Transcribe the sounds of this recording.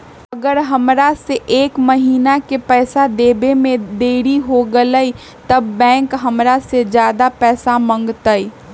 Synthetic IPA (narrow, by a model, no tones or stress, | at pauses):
ɐɡəɾɦɐmɾaseʔeːkmɐɦiːnakepɛːsad̪eːbemẽd̪eːɽiɦoɡələi | t̪ɐbːɛ̃ːŋkɦɐmɾased͡ʒjaːd̪apɛːsamə̃ŋɡt̪ai